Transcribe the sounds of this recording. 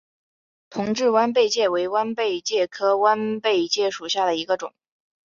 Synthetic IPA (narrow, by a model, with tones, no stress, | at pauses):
t̪ʰʊ˧˥ŋʈ͡ʂɻ̩˥˩wa˥np̬e˥˧ɪt͡ɕjɛ˥˩we˧˥ɪwa˥npe˥˧ɪt͡ɕjɛ˥˩kʰɤ˥wa˥npe˥˧ɪt͡ɕjɛ˥˩ʂu˨˩ɕja˥˩d̪ə˩i˧˥ɡə˧ʈ͡ʂʊ̰˨˩˦ŋ